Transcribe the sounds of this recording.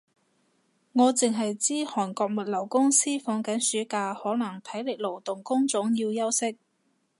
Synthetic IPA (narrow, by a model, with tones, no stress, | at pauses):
ŋɔː˨˧t͡sɪ˨ŋɦɐ˨jt͡siː˥hɔː˨˩nkɔː˧k̚mɐ˨t̚lɐ˨˩wkʊ˥ŋsiː˥fɔː˨˧ŋkɐ˨˥nsyː˨˥kaː˧hɔː˨˥nɐ˨˩ŋt̪ʰɐ˨˥jlɪ˨k̚lo˨˩wt̪ʊ˨˩ŋkʊ˥ŋt͡sʊ˨˥ŋjiː˧wjɐ˥wsɪ˥k̚